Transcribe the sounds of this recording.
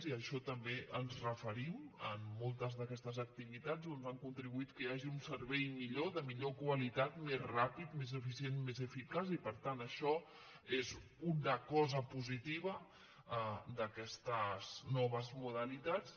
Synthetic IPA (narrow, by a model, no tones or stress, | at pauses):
ziəʃɔt̪əmbeənzrəfəɾimə̰mːolˠt̪əzðəkɛst̪əzək̚t̪iβit̪ad͡zonzaŋkunt̪ɾiβuit̪kəaʒiunsəɾβɛjmiʎoðəmiʎokwəlit̪at̪mezrapit̪mezəfisienmezəfikazipəɾt̪anəʃɔ | ez | unəkɔzəpuzit̪iβ̞ə | əd̪əkɛst̪əz̥nɔβ̞əzmuðəlit̪at͡s